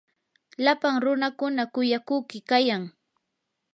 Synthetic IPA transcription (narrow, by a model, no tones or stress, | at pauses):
lapaŋɾʊnakʊnakʊjakʊːkɪkajaŋ